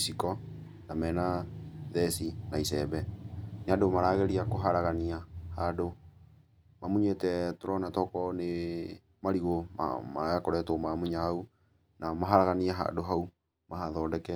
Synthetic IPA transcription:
isikɔ | namɛnaðɛsinaisɛbɛnadomaɾaːɣeɾiakoɦaɾaɣaniahado | mamuɲetɛtoɾɔnatɔkɔne | maɾiɣoma̰maakɔɾɛtomamuɲahau | namaɦaɾaɣaniaɦa̰doɦau | maɦaðɔːdɛkɛ

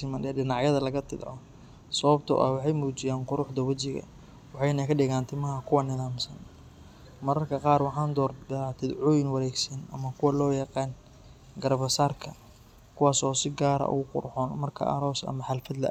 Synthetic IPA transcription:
sɪmɐnɛːɖɪnɑʕjɐðɐlɐɣɐt̪ʰɪd̪ʕɔ | sɐβɐbt̪ʰɔ̰ʔɐ̰wɑħɑjmuːt͡ʃɪjaːnqʊɾʊħd̪ɐwɐt͡ʃɪɣɐ̰ | wɑħɑjnɐkʰɐɖɪɣaːnt̪ʰɪmɐɦɐkʰʊwɑnɪðaːmsɐn | mɐɾɐrkʰɐqɑːrwɑħɑːnd̪ɔːrd̪at̪ʰɪd̪ʕʊːjɪnwɑɾɛːɡsɐnʔɐmɐkʰʊwɐlɔːjɑqɑːn | ɡɐɾbɐsaːrkʰɐ | kʰʊwɑːsɔːsɪɡaːɾɐ̰ʔʊ̰ɣʊqʊ̰rħɔːnmɐrkʰɐ̰ʔɐ̰ɾɔːsɐ̰mɐħalfɐd̪lɐ̰ʔ

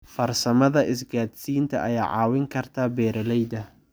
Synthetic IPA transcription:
fɐrsɐmɐðɐʔɪsɡaːd̪siːnt̪ʰɐ̰ʔɐjaːʕɑ̰ːwɪŋkʰɐrt̪ʰaːbɛːɾɛlɛjd̪ɐ

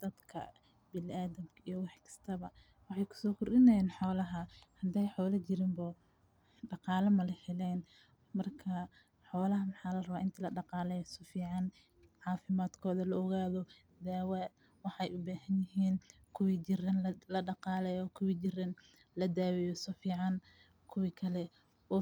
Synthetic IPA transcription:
d̪̥ɐd̪kʰɐ̰ | bɪlɪʔaːðɐmkʰɐijɔwɑħkʰɐ̥st̪ʰɐβɐ | wɑħɑjkʰʊ̥sɔːkʰʊrɗɪnɛjɛːnħɔːlɐɦɐhɐd̪ɛjħɔːlɐt͡ʃɪɾɪmbɔ | ɖɑqɑːlɐmɐlɐħɛlɛːn | mɐrkʰɐ | ħɔːlɐɦɐmɑħɑːlɐrɐβaːʔɪnt̪ʰilɐɖɑqɑːlɛjsɔfiːʕɑn | ʕɑːfɪmaːd̪kʰɔːðɐlɐɔɣaːðɔ | d̪aːwɛ | wɑħɑjʊbaːhɐnjɪɦiːn | kʰʊwid͡ʒɪrɐnlɐɖɑqɑːlɛjɔkʰʊwit͡ʃɪrɐn | lɐd̪aːwɛjɔsɔfiːʕɑn | kʰʊwikʰɐlɛ | ɔ

